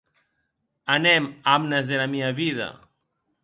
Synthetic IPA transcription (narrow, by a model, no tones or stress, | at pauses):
anɛmamnezðelameaβiðɐa̰